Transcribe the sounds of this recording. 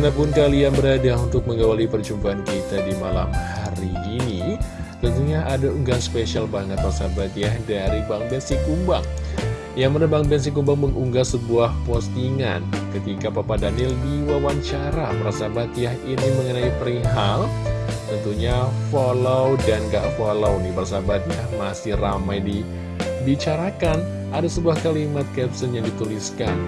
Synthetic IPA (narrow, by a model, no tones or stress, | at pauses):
napʊnkalianbəɾadaunt̪ʊk̚məŋɡawalipərt͡ʃumbaankit̪adimala̰mhaɾiːni | t̪ənt̪uɲaʔadauŋɡanspesialbaŋət̪̚rasabat̪ijahdaɾibaŋbɛnsikumbaŋ | jamanabaŋbɛns̬ikːumbaŋməŋuŋɡasəbuahpɔst̪iŋa̰nkət̪ikapapadanɪldiwawaɲt͡ʃaɾapəɾasabat̪jaɦiniməŋənaipɾiŋɦal | t̪ənt̪uɲafolowdanɡaʔfolownɪhbəras̬abat̪̚jahmasɪhra̰majdi | bit͡ʃaɾakan | ʔadasəbuahkalimat̪̚kɛpsənjaŋdit̪uliskan